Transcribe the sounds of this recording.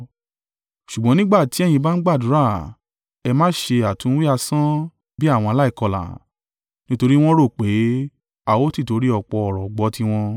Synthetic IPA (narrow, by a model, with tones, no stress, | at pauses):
ʃu˨ɡ͡bɔ̃˦nĩ˦ɡ͡ba˦˨ti˨˦ɛ˦j̃ĩ˧ba˦n̩˦ɡ͡ba˦˨du˨˦ɾa˦˨ | ɛ˧mãː˦ʃe˧a˨tũ˨˦wi˦a˧sã˦ | bi˦a˦˨wɔ̃˧a˧la˦i˦˨kɔ˧la̰˨ | nĩ˦to˧ɾi˦w̃ɔ̃˦ɾo˦˨k͡pe˨˦ | a˧wo˦ti˦˨to˨˧˦ɾi˦ɔ˨k͡pɔ˧ɔ˨ɾɔ˨ɡ͡bɔ˨˦ti˧˦w̃ɔ̃˧